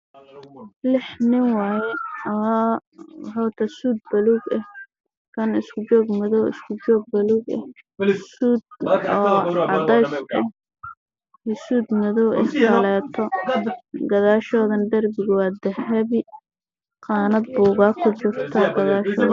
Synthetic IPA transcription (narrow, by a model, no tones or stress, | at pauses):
lɪħnɪŋwɑːjɛ | wħawt̪ʰɐsuːd̪̚bɐluːɡɐh | kʰɐnɪskʰʊd͡ʒɔːɡmʊðɔwɪ̰skʰʊd͡ʒɔːɡ̚bɐluːɡɛ̰hsuːd̪̚ɔːʕɑðɛjsʔɛ | hɪsuːd̪mʊðɔwʔɛ̰skʰɐlɛːt̪ʰɔ | ɡɐðaːʃɔːðɐnd̪ɐrbɪɣʊwɑːd̪ɐhɐβɪ | qɑːnɐd̪̚buːɣaːkʰʊd͡ʒʊrt̪ʰɐɡɐðaːʃɔː